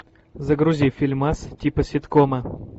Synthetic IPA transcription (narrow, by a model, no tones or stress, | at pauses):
zɐɡɾʊzʲifʲilʲmastʲipəsʲɪt̪komɐ